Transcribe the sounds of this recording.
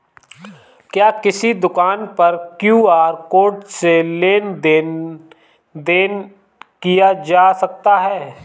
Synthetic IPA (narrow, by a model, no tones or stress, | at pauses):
kjaːkɪsid̪ʊkaːnpɐɾkjuːaːɾkoːʈseleːnd̪e | d̪eːn | kijad͡ʒaːsɐk̚t̪aɦɛː